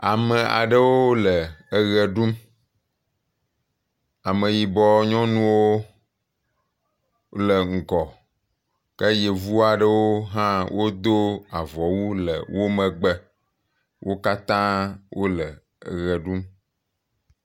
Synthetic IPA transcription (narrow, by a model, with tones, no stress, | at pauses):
a˨mə˨ʔa̰˨ɖə˦wo˦lə˨ə˦ɣɛ˨ɖu˦m | a˨mə˨ji˨bɔ˦ɲɔ̃˦nũ˦wo˦ | lə˨ŋ̩˨kɔ˨ | kə˦je˨vu˦a˨ɖə˦wo˦ɦã˦wʔo˦d̪o˦a˨vɔ˨wu˦lə̰˨wo˦mə˨ɡ͡bə˦ | wʔo˦ka˦t̪ã˦wʔo˦lə˨ | ə˨ɣɛ˨ɖu˦m